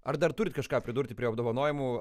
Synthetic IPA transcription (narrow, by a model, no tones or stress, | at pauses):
ɐrd̪ɐrt̪ʊɾʲɪt̪ʲkɐʃkɑːpʲɾʲɪd̪ʊɾʲt̪ʲɪpʲɾʲiɐb̚d̪oːʋɐnoːjɪmʊ